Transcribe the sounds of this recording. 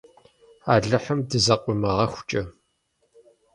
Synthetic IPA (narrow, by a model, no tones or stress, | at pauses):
aːɮɨħəmdɨzɐqʷʼʊmɐʁɐxʷʊ̥t͡ʃʼɐ